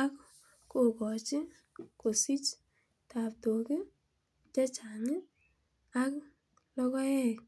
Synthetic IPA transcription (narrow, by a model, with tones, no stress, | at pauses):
a˦k | ko˨kɔ˨t͡ʃɪ˦ | ko˨si˦t͡ʃ | ta˨p̚to˨kɪ˦ | t͡ʃɛ˦t͡ʃa˨ŋɪ˦ | a˦k | lɔ˦kɔ˦ɛ˦k